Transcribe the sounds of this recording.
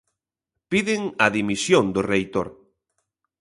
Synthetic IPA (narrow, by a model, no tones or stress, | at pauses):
piðɪŋɐðimisjond̪ʊrejt̪oɾ